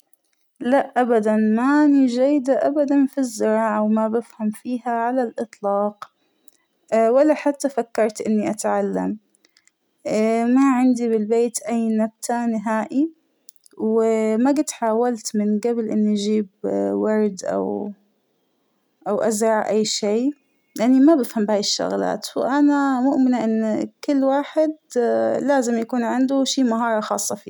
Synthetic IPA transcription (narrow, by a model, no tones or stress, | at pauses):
laʔʔːabad̪anmaʔaniʒajːd̪aʔabad̪anfizːɪɾɑːʕawmabɪfhamfiːɦaʕalalʔɨt̪ˤlɑːq | walːaħat̪ːafakːɑɾˤt̪ʔɪnːiʔat̪ʕalːa̰m | maʕɪnd̪iβɪlbeːt̪ʔajnab̚t̪ʰanɪɦaːʔi | wɪmaɡɪt̪ħaːwalt̪mɪnɡabɪlʔɪnːiʔd͡ʒiːbwɑɾˤd̪ʔa̰w | ʔawʔazɾˤɑʕʔajːʃeː | lɪʔanːimabɪfhambhaːjɪʃːʊ̰ɣla̰ːt̪wʔanamʊʔmɪnaʔɪnːkɪlːwaːħɪd̪laːzɪmjakuːnʕɪnd̪ʊʃiːmaɦɑːɾˤɑxɑ̰ːsˤːɑfḭː